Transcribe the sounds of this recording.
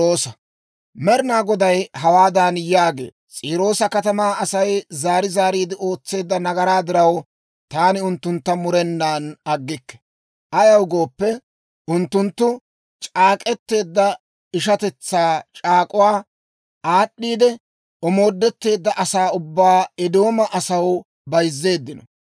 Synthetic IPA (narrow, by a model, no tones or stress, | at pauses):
oːsɐ | mɛɾɪnaːɡɔd̪ɐjɦɐwaːd̪aːnjaːɡe̞̰ː | t͡sʼiːɾo̞ːsɐkɐt̪ɐmaːɐsɐjzaːɾɪzaːɾiːd̪ɪʔo̞ːt͡sːe̞ːd̪ːɐnɐɡɐɾaːd̪ɪɾɐw | t̪aːnɪʊnt̪ːʊnt̪ːɐmʊɾɛnːaːnɐɡːɪkːɛ̥ | ʔɐjɐwɡo̞ːpːɛ | ʊnt̪ːʊnt̪ːʊ | t͡ʃʼaːkʼɛt̪ːe̞ːd̪ːɐ | ɪʃɐt̪ɛt͡sːaːt͡ʃʼaːkʼʊwaː | ʔaːɗːiːd̪ɛ | ɔmo̞ːd̪ːɛt̪ːe̞ːd̪ːɐʔɐsaːʊbːaːɛd̪o̞ːmɐʔɐsɐw | bɐjzːe̞ːd̪ːɪnɔ